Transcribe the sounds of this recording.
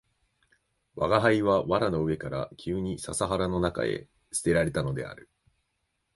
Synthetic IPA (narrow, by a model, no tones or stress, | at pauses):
βaɡaɦaiβaβaɾano̞ɯ̟e̞kaɾakʲʰɨːɲ̟isasaɦaɾano̞naka̰e̞̰ | sɨ̥t̪e̞ɾaɾe̞t̪ano̞d̪e̞̰a̰ɾɯ̟